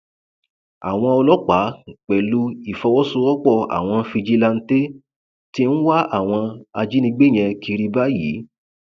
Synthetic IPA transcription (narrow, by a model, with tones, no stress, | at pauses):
a̰˨w̃ɔ̃˧ɔ˧lɔ˦k͡pa˨˦ŋ̩˨k͡pɛ˨lu˧i˨fɔ˧wɔ˦su˧ɔ˦k͡pɔ˦˨a̰˨w̃ɔ̃˧fi˧d͡ʒi˧la˧n̩˦te˦ | ti˦n̩˦wa˦a˦˨w̃ɔ̃˧a˧d͡ʒi˦nĩ˧ɡ͡be˦˨j̃ɛ̃˧ki˧ɾi˧ba˦jḭ˨˦